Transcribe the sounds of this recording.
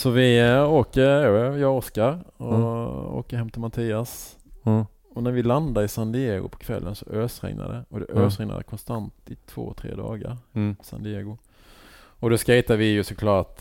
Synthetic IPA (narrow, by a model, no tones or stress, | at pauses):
sɔvɪoːkəɾɛjɑːɡɔskaɾɔo̰ːkəɾhɛmːt̪ʰɪlmat̪ʰiːas | ɔnæɾvɪland̪aɾɪsand̪ɪeːɡʊ̰pʰɔ̥kʰvɛ̰lːənsɔʔøːsɾɛ̰ŋna̰d̪ɛɔd̪ɛʔøːsɾɛŋna̰d̪əkʰɔnst̪ant̪ɪt̪ʰvo̰ːt̪ʰɾḛːd̪ɑ̰ːɡaɾsa̰nd̪ɪeɡʊ | ɔd̪ɔskajt̪avɪjɵsɔkʰlɑːʈ